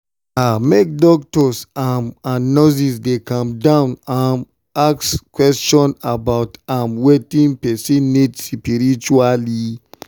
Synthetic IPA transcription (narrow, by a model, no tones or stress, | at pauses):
amek̚dɔk̚tɔsamãnːɔs̬isdekãmdãʊ̃nãn | akskwɛst͡ʃɔ̃nabaʊtãmwetĩnpɛsĩnidspiɾit͡ʃuali